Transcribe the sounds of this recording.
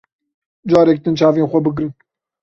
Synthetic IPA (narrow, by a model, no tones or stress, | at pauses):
d͡ʒɑːɾɛk̚t̪ɨnt͡ʃʰɑːveːnxʷɐbɨɡɾɨn